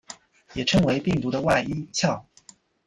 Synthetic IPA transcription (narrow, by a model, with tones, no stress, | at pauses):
jɛ˨˩ʈ͡ʂʰɤ˧˥ŋwe˧˥ɪpi˥˩ŋt̪u˧˥d̪ə˧wa˥˩ɪi˥t͡ɕʰjɑ˥˩ʊ